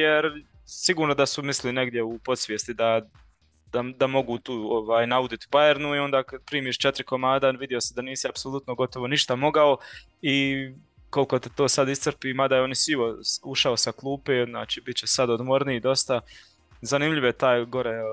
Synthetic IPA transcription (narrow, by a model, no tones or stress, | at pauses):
jeɾ | siɡuːɾno̞d̪asumisline̞ɡd̪je̞upo̞t̪sʋjeːst̪id̪a | d̪̥ad̪amo̞ɡuːt̪uːoʋaːjnaud̪it̪ibajeɾnuio̞nd̪aːkad̪̚pɾiːmiːʃt͡ʃet̪ɾikomaːd̪aʋid̪io̞sed̪aniːsiapso̞lˠut̪noɡo̞t̪o̞ʋo̞niʃt̪amo̞ɡao | i | ko̞lko̞t̪et̪o̞ːsad̪ist̪sərpiːmad̪ajeonisiʋosuʃaosaklˠuːpezna̰ːt͡ʃiːbit̪t͡ɕesad̪od̪moɾnid̪o̞st̪a | zanimʎʲiʋojet̪aːjɡo̞ɾe